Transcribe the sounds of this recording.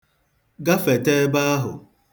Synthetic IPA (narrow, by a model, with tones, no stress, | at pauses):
ɡa˦fe˨te˦ba˦a˦ɦʊ̰˨